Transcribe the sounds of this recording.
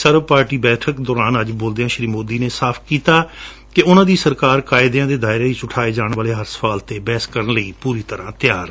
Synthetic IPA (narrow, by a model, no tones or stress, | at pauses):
səɾʋpaːɾʈiːbɛːʈʰəkd̪ɔːɾaːnəd͡ʒboːld̪eãːʃɾiːmoːd̪iːneːsaːpʰkiːt̪aː | kɪʊnãːd̪iːsəɾkaːɾkaːɪd̪jãːd̪eːd̪aːɪɾeːiːt͡ʃʊʈʰaːeːd͡ʒaːɳʋaːleːɦəɾsə̥faːlt̪eːbɛːskəɾəɳləiːpuːɾiːt̪əɾãːt̪jaːɾ